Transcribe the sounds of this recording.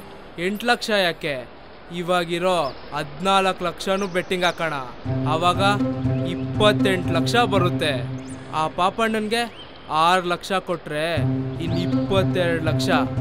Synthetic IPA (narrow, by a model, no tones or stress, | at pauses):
eɳʈlɐkʂɐjaːke̞ | iʋaːɡiɾo | ɐd̪naːlɐklɐkʂɐnuːbeʈːiŋɡaːkɐɳɐːʋaːɡɐipːɐt̪ːe̞ɳʈlɐkʂɐbɐɾut̪ːe̞aːpaːpɐnɐnɡe̞ | aːɾlɐkʂɐkoʈːɾeinːipːɐt̪ːɛɾɽlɐkʂɐ